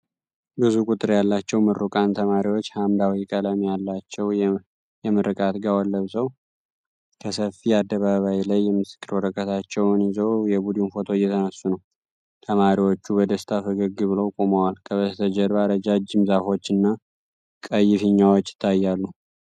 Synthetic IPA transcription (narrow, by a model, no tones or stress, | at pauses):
bɨzukʷʼut̪ʼɨɾjalːat͡ʃːɛwmɨɾukʼant̪ʰəmaɾiwo̞t͡ʃːhamd̪awikʼələmjalːat͡ʃːɛw | jɛmɨɾɨkʼat̪ɡawalːəβsəw | kʰəsəfiad̪ːəβaβajlajːɛmɨsɨ̥kːɨɾwɔɾəkʼʰːət̪ʰat͡ʃːɛwnizəwjɛbud̪imfo̞t̪ʰo̞jːɛt̪ʰənəsːunəw | t̪ʰəmaɾiwo̞t͡ʃːubəd̪əst̪ʰafɨɡɨɡɨβɨlowkʼoməwalkʰəβəzt̪ʰəd͡ʒɛɾβaɾəd͡ʒad͡ʒɨmzafo̞t͡ʃːɨnːa | kʼəjːɪfɨɲːawot͡ʃːɪ̥t̪ʰːajːalːu